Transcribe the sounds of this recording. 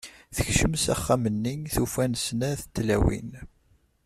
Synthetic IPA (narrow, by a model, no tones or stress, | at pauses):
θəçʃəmsæ̰χːæmənːinθufænsnæθət̪ːlæ̰wḭn